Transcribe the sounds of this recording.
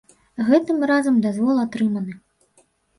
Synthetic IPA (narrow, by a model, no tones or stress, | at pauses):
ɣɛt̪ɨmrazɐmd̪azvɔlˠat̪ɾɨmɐnɨ